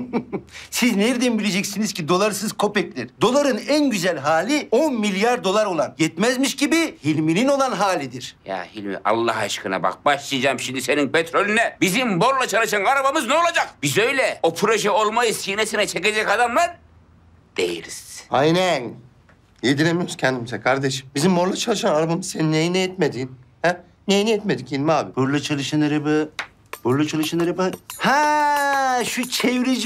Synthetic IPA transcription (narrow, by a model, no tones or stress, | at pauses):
sizneɾd̪imbilʲed͡ʒɛcsinizcid̪o̞lˠaɾɯsɯzkʰo̞pɛclʲiɾ̥d̪o̞lˠaɾɯnænɟyzɛlʲɦaːlʲionmilʲjaɾd̪o̞lˠaɾo̞lˠanjɛt̪mɛzmiʃɟibihilʲminino̞lˠanɦaːlʲid̪iɾ̥ja̰hilʲmḭʔa̰lˠːaɦaʃkɯna̰ba̰k̚baʃlˠɯjd͡ʒaːmʃimd̪ise̞ninpʰet̪ɾolʲynɛbizimboɾlˠat͡ʃʰalˠɯʃanɡaɾabamɯznɛolˠad͡ʒakb̥izø̞jlʲɛopʰɾo̞ʒɛolˠmajɯsinesinɛt͡ʃʰeked͡ʒɛkad̪amlˠaɾ | d̪̥ḛjḭɾḭz̥ajnæn | jed̪ilʲemijoɾuscʰɛnd̪imizɛkʰaɾd̪eʃi̥mbizimːoɾlˠat͡ʃʰalˠɯʃanaɾabamɯz̥seninejinɛɛt̪med̪iːnhæ | nejnɛjɛt̪med̪ikcilʲmaːbiboɾlˠat͡ʃʰalˠɯʃanaɾabɯ | boɾlˠat͡ʃʰalˠɯʃanaɾabhæ | ʃut͡ʃʰeviɾid͡ʒ